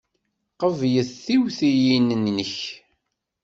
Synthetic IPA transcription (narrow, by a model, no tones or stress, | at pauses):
qəvjəθθiwθijinnːəç